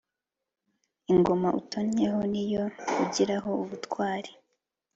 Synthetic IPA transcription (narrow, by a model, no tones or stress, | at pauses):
iŋɡo̞maʔutoɲeɦo̞nijo̞uɟiɾaɦo̞uβutkwaːɾi